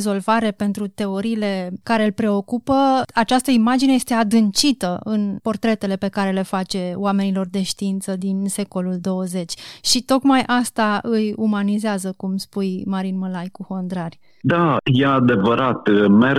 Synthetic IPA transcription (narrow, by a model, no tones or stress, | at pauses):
zo̞lvaɾe̞pe̞nt̪ɾut̪e̞o̞ɾiːle̞kaɾe̞ɨlpɾe̞o̞kupəat͡ʃast̪əimad͡ʒinejest̪e̞ad̪ɨnt͡ʃit̪əɨnpo̞rt̪ɾe̞t̪e̞le̞pe̞kaɾe̞le̞fat͡ʃe̞oame̞nilo̞rd̪e̞ʃt̪iint̪səd̪inse̞ko̞luld̪o̞wəze̞t͡ʃʲʃit̪o̞kmajʔast̪aʔɨjumanizeazəkumspujmaɾinməlajkuho̞nd̪ɾarʲ | d̪ajead̪e̞vəɾat̪me